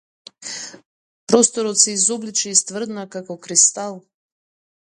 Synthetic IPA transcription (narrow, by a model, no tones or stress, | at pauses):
pɾɔst̪ɔɾɔt̪sɛizɔblit͡ʃɛist̪vr̩d̪nakakɔkɾist̪alˠ